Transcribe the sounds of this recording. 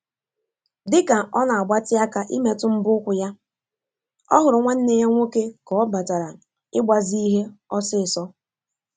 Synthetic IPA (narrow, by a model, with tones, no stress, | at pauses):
dɪ˦ka˨ɔ˦na˨a˨ɡ͡ba˦tɪ˦a˦ka˦ʔi˦me˦˨tʊ˦m̩˦bʊ˦ʊ˦kʷʊ˨ja˦ | ɔ˦ɦʊ˨ɾʊ˨ŋʷe˦n̩˦ne˦ɦe˦ŋʷo˦ke˦kɔ˨˦ba˨ta˨ɾa˨ | ɪ˦ɡ͡ba˨zi˦i˦ɦe˦ɔ˦sɪ˦˨sɔ˦